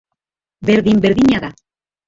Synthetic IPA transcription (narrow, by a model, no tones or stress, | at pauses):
beɾðimbeɾðiɲaða